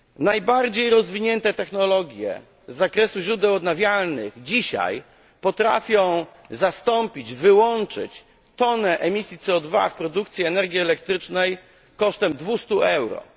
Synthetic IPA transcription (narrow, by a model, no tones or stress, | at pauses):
najbaɾd͡ʑejɾɔzvʲiɲɛnt̪ɛt̪ɛxnɔlɔɡʲjɛ̰ | zːakɾɛsuʑɾud̪ɛwɔd̪navʲjalnɘɣd͡ʑiɕa̰j | pɔt̪ɾa̰fʲjɔ̃w̃ | zast̪ɔmpʲid͡ʑvɘwɔnt͡ʂɘ̰t͡ɕ | t̪ɔnɛʔɛmʲisʲjit̪sɛɔd̪va̰fpɾɔd̪uk̚t̪sʲjɛɛnɛɾɡʲiɛlɛk̚t̪ɾɘt͡ʂnɛj | kɔʂt̪ɛmd̪vust̪uɛwɾɔ̰